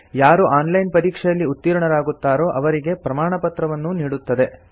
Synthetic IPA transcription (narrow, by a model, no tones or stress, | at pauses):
jaːɾuʔaːnlɐjnpɐɾiːkʂɛjɐlːiut̪ːiːɾɐɳɐɾaːɡut̪ːaːɾo̞ːʔɐʋɐɾiɡe̞pɾɐmaːɳɐpɐt̪ɾɐʋɐnːuniːɽut̪ːɐd̪e̞